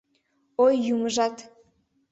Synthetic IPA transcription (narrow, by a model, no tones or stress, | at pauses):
ojːuməʒɑt̪